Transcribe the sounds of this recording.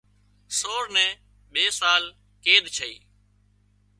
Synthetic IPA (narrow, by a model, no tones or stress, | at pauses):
soːɾnɛ̃ː | ɓeːsaːl | keːd̪t͡ʃʰəḭː